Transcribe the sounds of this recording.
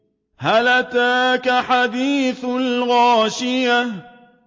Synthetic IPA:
halat̪aːkaħad̪iːθlɣaːʃɪja

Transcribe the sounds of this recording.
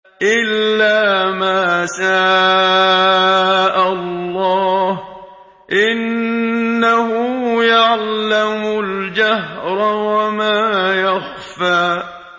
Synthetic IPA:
ʔɪlːaːmaːsaː | ʔalːɑːh | ʔɪnː | ahʊjaʕlamʊld͡ʒaɦɾˤwamaːjax | faː

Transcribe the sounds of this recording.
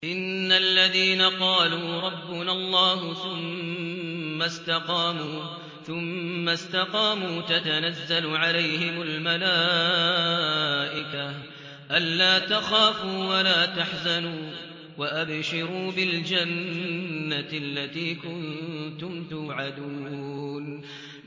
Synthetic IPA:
ʔɪnːalːaðiːnaqɑːluːɾˤɑbːʊnalˤːɑːhʊθʊmː | ast̪ɑqɑːmuː | θʊmːast̪ɑqɑːmuːt̪at̪anazːalʕalajhɪmalmalaː | ʔɪka | ʔanːaːt̪axaːfuːwalaːt̪aħzanuː | waʔabʃɪɾuːbɪld͡ʒanː | aalːat̪iːkʊnt̪ʊmt̪ʊːʕad̪uːn

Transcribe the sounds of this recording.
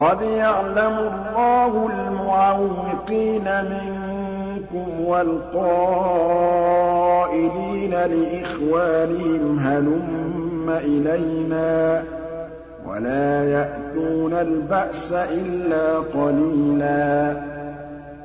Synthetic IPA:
qɑd̪jaʕlamʊlˤːɑːhʊlmʊʕawɪqiːnamɪŋ | kʊmwalqɑː | ʔɪliːnalɪʔɪxwaːnɪhɪmɦalʊmːaʔɪlajnaː | wa̰laːjaʔt̪uːnalbaʔsaʔɪlːaːqɑliːlaː

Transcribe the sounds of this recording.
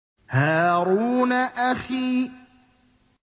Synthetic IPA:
haːɾuːnaʔaxiː

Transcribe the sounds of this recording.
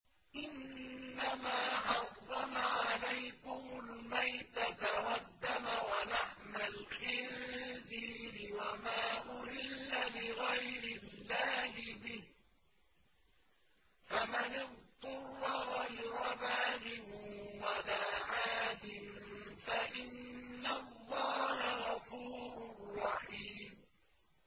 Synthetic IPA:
ʔɪnːamaːħɑrˤːɑmaʕalajkʊmʊlmajt̪at̪aqɑd̪ːamawanaħmalxɪɾd̪iːbɪwamaːʔʊhɪlːalɪɣajɾɪlːaːhɪbɪh | famanɪt̪ˤːʊrːɑɣajɾabaːlɪwalaːʕaːd̪ɪmfaʔɪnːalˤːɑːhaɣafuːɾʊrˤːɑħiːm

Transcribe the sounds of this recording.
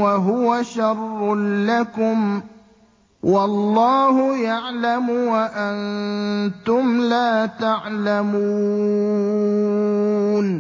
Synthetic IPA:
waɦʊwaʃɑrˤːlakʊm | wɑlˤːɑːhʊjaʕlamʊwaʔant̪ʊmlaːt̪aʕlamuː | n

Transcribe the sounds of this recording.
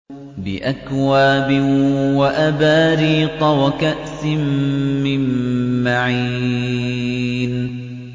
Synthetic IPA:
bɪ̰ʔakwaːbɪwaʔabaːɾiːt̪ˤɑwakaʔsɪmːɪmːaʕiː | n

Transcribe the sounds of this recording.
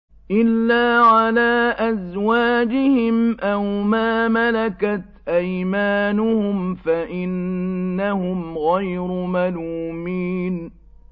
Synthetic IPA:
ʔɪlːaːʕalaːʔazwaːd͡ʒɪhɪmʔawmaːmalakat̪ʔajmaːnʊhʊmfaʔɪnːahʊmɣajɾʊmaluːmiːn

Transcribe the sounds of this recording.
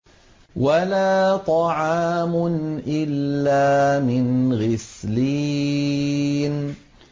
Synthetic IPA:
walaːt̪ˤɑʕɑːmʊnʔɪlːaːmɪnɣɪsliː | n

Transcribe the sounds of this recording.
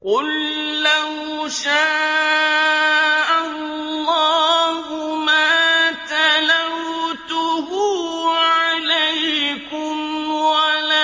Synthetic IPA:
qʊlː | ah | ʃaː | ʔallːɑːɦhʊmaːt̪alawt̪ʊhʊːʕalajkʊmwalaː

